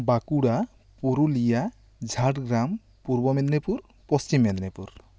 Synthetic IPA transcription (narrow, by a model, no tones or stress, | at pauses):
bakuɽa | puɾulija | d͡ʒʱaʈɡɾam | puɾbɔmed̪nepuɾ | pɔst͡ʃimːed̪nepuɾ